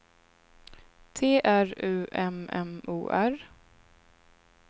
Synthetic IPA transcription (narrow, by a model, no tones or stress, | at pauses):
t̪ʰeːʔæɾʉ̟ːʔɛmɛ̰mʔṵːʔæɾ